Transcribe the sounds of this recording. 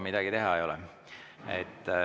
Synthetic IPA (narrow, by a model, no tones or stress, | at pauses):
mid̪̥ɑɡ̥it̪e̞ɦɑejo̞lɛ | ḛt̪ː